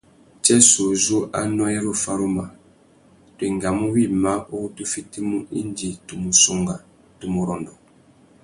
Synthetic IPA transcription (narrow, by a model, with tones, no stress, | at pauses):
t͡ʃɛ˦so˨zu˦ʔa̰˦nɔ˦e˦ɾo˦fa˦ɾu˦ma˨ | twe˨ŋɡa˨mu˦wi˦˨ma˦ʔo˦u˦tu˦fi˦ti˦mu˦ʔi˦nd͡ʒi˨tu˨mu˨so˨ŋɡa˨ | tu˨mu˨ɾɔ˨ndɔ˨